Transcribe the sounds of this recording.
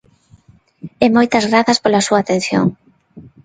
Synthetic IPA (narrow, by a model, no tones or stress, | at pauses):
ɛmojt̪ɐzɣɾaθɐspolasuaːt̪ẽn̟θjo̰ŋ